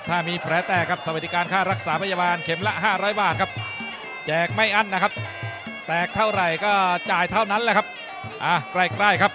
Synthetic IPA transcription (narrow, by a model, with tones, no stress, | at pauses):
t̪ʰaː˥˩miː˧pʰɾɛː˩˦t̪ɛː˨˩kʰa˦˥p̚sa˧wa˩d̪i˦kaː˧nkʰaː˥˩ɾa˦˥k̚saː˩˦pʰa˧jaː˧baː˧nkʰe˩˦mla˦˥ʔɦaː˥˩ɾɔː˦˥jbaː˨˩t̪̚kʰa˦˥p̚ | t͡ɕɛː˨˩k̚ma˥˩jʔa˥˩nːa˦˥kʰa˦˥p̚ | t̪ɛː˨˩k̚t̪ʰa˥˩wɾa˨˩jkɔː˥˩t͡ɕaː˨˩jt̪ʰa˥˩wna˦˥nlɛː˦˥kʰa˦˥p̚ | ʔaː˨˩kɾa˧˩jkɾaː˥˩jkʰa˦˥p̚